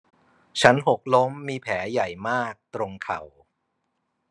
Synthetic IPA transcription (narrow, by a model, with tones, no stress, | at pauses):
t͡ɕʰa˦˥nɦo˨˩k̚lo˦˥mːiː˧pʰɛː˩˦ja˨˩jmaː˥˩k̚t̪ɾo˧ŋkʰa˨˩w